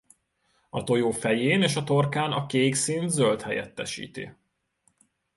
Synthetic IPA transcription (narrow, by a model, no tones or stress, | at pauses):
ɒt̪o̞joːfɛjeːneːʃɒt̪o̞rkaːnɒkeːɡsint̪zølt̪hɛjɛ̰t̪ːɛʃḭːt̪ḭ